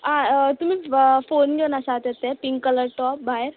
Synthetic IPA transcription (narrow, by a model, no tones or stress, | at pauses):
ɦãt̪um̤iːfonɡenasat̪et̪ːepiŋkkːələɽʈɔp̚baeɾ